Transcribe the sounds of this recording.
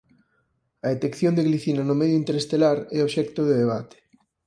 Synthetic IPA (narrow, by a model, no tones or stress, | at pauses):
ɐet̪ekθjond̪eɣliθinanʊmɛðjoint̪eɾest̪elaɾɛoβʃɛk̚t̪oðeðeβ̞at̪e̥